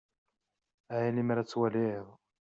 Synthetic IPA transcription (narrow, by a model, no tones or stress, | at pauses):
ʕilimaɾæt͡sːwæliðˤ